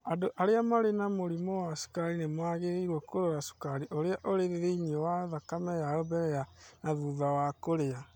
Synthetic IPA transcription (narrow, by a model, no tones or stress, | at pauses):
adoʔaɾeamaɾenamoɾimɔwasu̥kaɾinemwaɣeɾeiɾwɔkoɾoɾasu̥kaɾiʔoɾeaʔoɾeðeðeiɲɔwaðakamɛjaɾobɛɾɛjanaðuðawakoɾea